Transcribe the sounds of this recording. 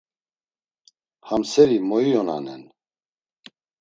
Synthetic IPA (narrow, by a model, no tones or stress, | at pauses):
hamsɛɾimɔijɔna̰nɛ̰n